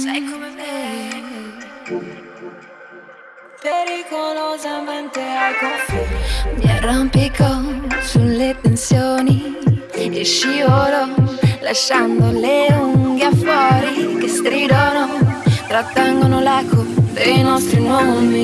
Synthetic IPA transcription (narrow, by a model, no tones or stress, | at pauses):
sɛjkomeme | peɾikolozamɛnt̪eakɔ | mjarːompikosulːep̪ensjoːni | eʃːioɾolaʃːand̪oleuŋɡafwɔːɾikest̪ɾid̪onot̪ɾat̪ːɛŋɡonolakod̪ejnɔst̪ɾinwɔmomi